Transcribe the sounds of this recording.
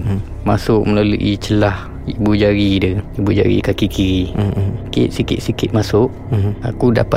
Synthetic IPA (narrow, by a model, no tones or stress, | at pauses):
masʊʔ̚məlaluʔit͡ʃəlah | ibud͡ʒaɾidəibud͡ʒa̰ɾḭkakikiɾikḭt̪sikɪ̰t̪̚sikɪt̪̚masʊʔ | akuda̰pa